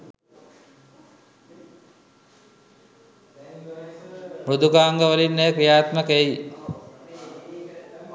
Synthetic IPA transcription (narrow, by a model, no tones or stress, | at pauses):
mɾud̪ukaːŋɡəʋəlinːejəkɾijaːt̪məkei